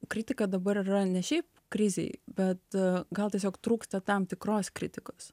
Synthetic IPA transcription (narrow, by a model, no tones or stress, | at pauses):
kɾʲɪt̪ʲɪkɐd̪ɐbɐɾiɾɐnʲɛʃʲɛɪp̚ | kɾʲɪzʲɛ̰ɪbʲɛt̪ɡɐlˠt̪ʲiɛs̬ʲoːkt̪ɾuːkst̪ɐt̪ɐmt̪ʲɪkɾoːskɾʲɪt̪ʲɪkoːs